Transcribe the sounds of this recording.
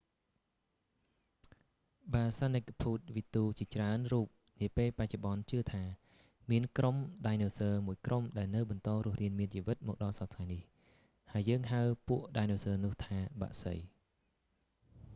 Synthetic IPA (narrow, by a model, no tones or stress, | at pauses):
ɓaːsanəkːapʰuːt̪̚ʋit̪uːt͡ɕiət͡ɕraənruːp̚ | niəpeːlpac̚t͡ɕoɓɑnt͡ɕɨət̪ʰaː | miənkromɗajnoːsəːmuəjkrʔomɗaɛlnɨwɓɑnt̪ɑːɾŭəhriənmiənt͡ɕiːʋɨt̪̚mɔːk̚ɗɑlsɑt̪ʰŋajnih | haəjːəːŋɦaɨpuəʔɗajnoːsəːnʊ̆əht̪ʰaːɓa̰ːʔsə̰j